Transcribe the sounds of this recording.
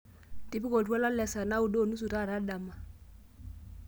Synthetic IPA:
tɪ˦pi˦ko˨twa˦la˦lɛ˨sa˨na˦u˨do˦˨nu˦su˨ta˦˨ɾa˦da˨ma˨

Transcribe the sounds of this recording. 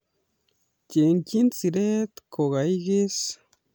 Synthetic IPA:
ce˨ŋki˦nt͡si˨ɾe˦t̪kʰo˨ɣa˨i˦ɣe˦s

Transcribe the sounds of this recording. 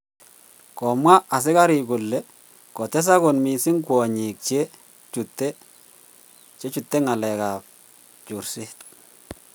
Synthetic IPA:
kɔ˨mwa˦ʔa˨s̬ɪ˦ka˦ɾi˨kʊ˨lːɛ˨ | kɔ˨t̪ɛ˦s̬a˦ko˨nmi˨sɪ˦ŋkwɔ˨ɲi˨k̚t͡ʃe˦ | t͡ʃu˨t̪ːe˦ | t͡ʃe˦t͡ʃu˨tːe˦ŋa˨lɛ˨ka˨p̚ | t͡ʃʊ˨rsɪ˦t̪̚

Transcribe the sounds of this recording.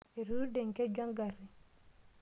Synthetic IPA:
e˨ɾu˦dɛ˨ŋke˦ɟa˦ŋɡari˨

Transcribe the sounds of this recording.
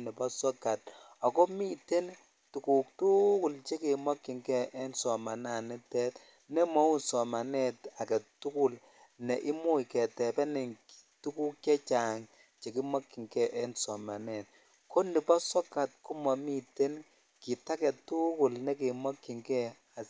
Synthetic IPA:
nɪ˨pɔ˦sɔ˦ka˨t̚ɔ˨kɔ˦mi˦te˦n | tu˨ku˨k̚tu˦kʊ˨lt͡ʃe˦ke˨mɔ˦kːɪ˨ŋkɛ˦ʔɛ˦nsɔ˨ma˨na˨nɪ˦tɛ˦t | nɛ˦mɔ˦wu˦nsɔ˨ma˨nɛ˦ta˨kɛ˨tu˦ku˦˨l | nɛ˨ʔɪ˦mu˦jkɛ˨tɛ˨pɛ˦nɪ˨ŋktu˦ku˦kkɛ˦t͡ʃa˨ŋ | t͡ʃe˨ki˦ma˦kːi˨ŋkɛ˦ʔɛ˦nsɔ˨ma˨nɛ˨t̚ | kʰo˦ndi˨pɔ˦sɔ˦ka˨t̚ku˦mɔ˨mi˦te˦n | ki˨ta˦kɛ˨tu˦ku˨lnɛ˦k̬e˨mɔ˦kːi˨ŋkɛ˦ | a˨

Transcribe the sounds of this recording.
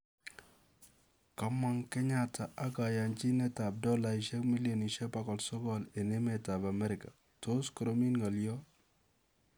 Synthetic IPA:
ka˦ma˨ŋkɛ˦ɲa˦tʰa˨ʔa˦ka˨ja˨nt͡ʃi˦nɛ˦ta˨b̚dɔ˦la˨iʃɛ˦kmi˦ljɔ˨ni˨ʃɛ˦pa˦kɔ˨lsɔ˦ɡɔle˨ne˦mɛ˨ta˨ba˨mɛ˦ɾɪ˨ka˨ | to˦skɔ˨ɾo˦mi˦nŋɔ˨ljɔ˦

